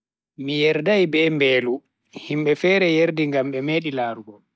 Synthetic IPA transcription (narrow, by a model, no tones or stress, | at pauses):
mijɛɾdajbɛːmbɛːlu | himɓɛfɛːɾɛjeɾdiŋɡamɓɛmeːɗilaːɾuɡɔ